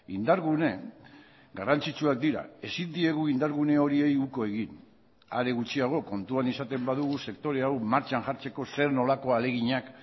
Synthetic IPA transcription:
ind̪aɾɣune̞ | ɡarant͡sit͡ʃuak̚d̪iɾa̰e̞sind̪ie̞ɣ̞uind̪aɾɣune̞o̞ɾie̞juko̞e̞ɣin | a̰ɾe̞ɣut͡ʃiaɣ̞o̞ko̞nt̪uanisat̪e̞mbaðuɣuse̞kt̪o̞ɾe̞awmaɾt͡ʃanʝaɾt͡se̞ko̞se̞ɾno̞lako̞ale̞ɣ̞iɲak

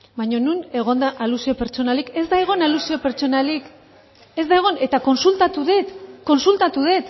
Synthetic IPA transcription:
bajɲo̞nune̞ɣ̞o̞nd̪aʔalusio̞pe̞ɾt͡ʃo̞nalike̞zd̪ajɣ̞onalusio̞pe̞ɾt͡ʃo̞nalik | e̞zd̪ajɣ̞one̞t̪ako̞nsult̪at̪uðet̪ko̞nsult̪at̪uðe̞t̪

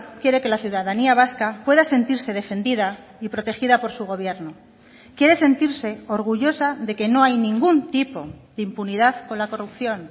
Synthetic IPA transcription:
kje̞ɾe̞ke̞laθjuðaðaniaβ̞askapwe̞ðase̞nt̪iɾse̞ð̞e̞fe̞nd̪iða | ipɾo̞t̪e̞xiðapo̞ɾsuɣ̞o̞β̞je̞ɾno | kje̞ɾe̞se̞nt̪iɾse̞o̞ɾɣ̞uʝo̞saðe̞ke̞no̞ajnĩŋɡunt̪ipo̞̰ðeimpuniðaðko̞nlako̞rupθjo̞n

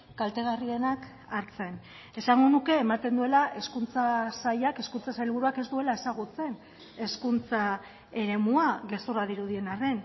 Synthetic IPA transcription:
kalt̪e̞ɣ̞arie̞nak | aɾt͡se̞n | e̞saŋɡo̞nuke̞ːmat̪e̞nd̪ue̞laʔe̞skunt͡sasajake̞skunt͡sasaʎβuɾuake̞zd̪ue̞lae̞saɣ̞ut͡se̞n | e̞skunt͡sa | e̞ɾe̞muaɣe̞st̪uraðiɾuð̞ie̞nare̞n

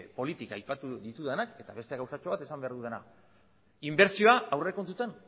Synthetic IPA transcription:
po̞lit̪ikajpat̪uðit̪uðenake̞t̪aβe̞st̪eɣawsat͡ʃoat̪e̞sambe̞aɾðuðe̞na̰ | imbe̞ɾt͡sio̞aawreko̞nt̪ut̪an

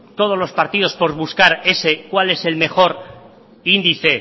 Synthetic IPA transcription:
t̪o̞ð̞o̞zlo̞spaɾt̪iðo̞spo̞ɾβuskaɾe̞se̞kwale̞se̞lme̞χo̞ɾ | ind̪iθe̞

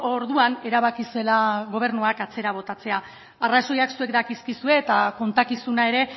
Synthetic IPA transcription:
o̞ɾðuane̞ɾaβ̞akise̞laɣo̞β̞e̞ɾnuakat͡se̞ɾaβ̞o̞t̪at͡se̞a | araso̞jaksue̞kd̪akiskisue̞ːt̪ako̞nt̪akisunae̞ɾe̞

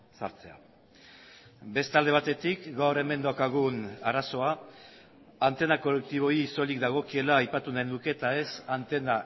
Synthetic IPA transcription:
sa̰ɾt͡se̞a̰ | be̞st̪ald̪eβat̪e̞t̪ikɡawɾe̞me̞nd̪akaɣ̞unaraso̞a | ant̪e̞nako̞lek̚t̪iβ̞o̞iːso̞likd̪aɣ̞o̞kie̞laːjpat̪unaenuke̞t̪ae̞sant̪e̞na

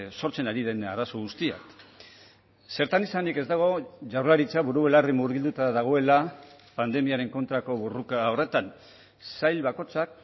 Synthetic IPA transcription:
so̞ɾt͡se̞naɾiðe̞naɾaso̞ɣ̞ust̪ia̰k | se̞ɾt̪anisanike̞zd̪aɣ̞o̞ʝawɾlaɾit͡saβuɾuβe̞larimuɾβild̪ut̪aðaɣ̞o̞e̞la | pand̪e̞miaɾe̞ŋko̞nt̪ɾako̞βorukao̞re̞t̪an | sajlβako̞t͡sak

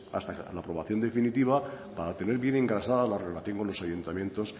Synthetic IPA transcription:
a̰st̪alapɾo̞βaθjo̞nd̪e̞finit̪iβa | paɾat̪e̞ne̞ɾβje̞ne̞ŋɡɾasaðalarelaθjo̞ŋkonlo̞sajunt̪amje̞nt̪o̞s

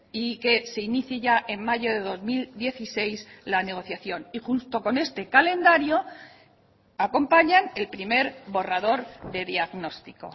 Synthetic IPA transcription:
ike̞se̞iniθjeʝaʔe̞mːaʝo̞ðe̞ðo̞zmild̪je̞θise̞jslane̞ɣ̞o̞θjaθjo̞nixunt̪o̞ko̞ne̞st̪e̞kale̞nd̪aɾjo̞ | ako̞mpaɲane̞lpɾime̞ɾbo̞raðo̞ɾðe̞ðjaɣno̞st̪i̥ko̞̰

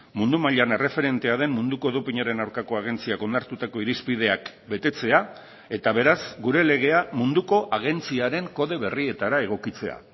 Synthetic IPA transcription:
mund̪umaʎane̞re̞fe̞ɾe̞nt̪e̞aðe̞mmund̪uko̞ðopiɲaɾe̞nawɾkako̞aɣ̞e̞nt͡siako̞nd̪aɾt̪ut̪ako̞iɾispið̞e̞ak | be̞t̪e̞t͡se̞a | e̞t̪aβe̞ɾazɡuɾe̞le̞ɣ̞e̞amund̪uko̞ʔaɣ̞e̞nt͡siaɾe̞ŋko̞ðe̞βe̞rie̞t̪aɾae̞ɣ̞o̞kit͡se̞a̰

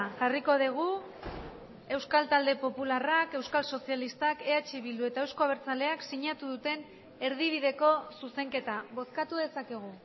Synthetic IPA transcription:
ʝariko̞ð̞iɣ̞u | e̞wskalt̪ald̪e̞po̞pularake̞wskalso̞sjalist̪ake̞at͡ʃiβild̪ue̞t̪aewsko̞aβeɾt͡sale̞aksiɲat̪uðut̪e̞n | e̞ɾð̞iβ̞iðe̞ko̞suse̞ŋke̞t̪aβo̞skat̪uðe̞sake̞ɣ̞u

